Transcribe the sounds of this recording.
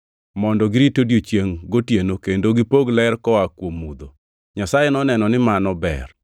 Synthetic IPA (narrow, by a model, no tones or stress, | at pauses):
mɔndɔɡɪɾitodjot͡ʃjeŋɡotjenokendoɡipoɡlɛrkɔwakwomud̪o | ɲasajenɔnɛnɔnɪmanɔbɛ̰r